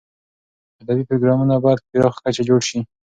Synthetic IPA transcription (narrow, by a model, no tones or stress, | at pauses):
ad̪abipɾoɡɾɑmunabɑjad̪̚keɾɑwxkat͡ʃad͡ʒoɽʃi